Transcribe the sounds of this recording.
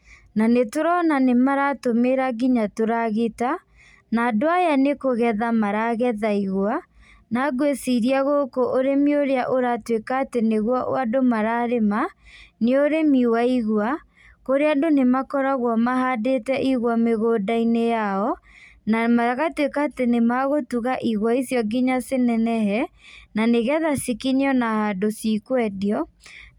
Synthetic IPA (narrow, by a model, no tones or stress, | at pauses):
nanetoɾɔnanemaɾatomeɾaɡiɲatoɾaɣeta | naːdoajanekoɣɛðamaɾaɣɛðaiɣwa | naɡwesiɾiaɣokoʔoɾemioɾeaʔoɾatwekaːteneɣwɔʔo̰adomaɾaɾemaneoɾemiwaiɣwa | koɾeadonemakɔɾaɣwɔmaɦadetɛʔiɣwameɣoːdainejaɔnamaɣatwekaːtenemaɣotuɣaʔiɣwaisjɔɡiɲasenɛnɛɦɛnaneɣɛðasikiɲeɔnahadosikwɛdiɔ